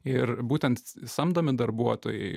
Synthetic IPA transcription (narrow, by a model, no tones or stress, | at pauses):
ɪrbuːt̪ʲɛnt̪sɐmd̪oːmʲɪd̪ɐɾbuɔt̪o̰ːjɛ̰ɪ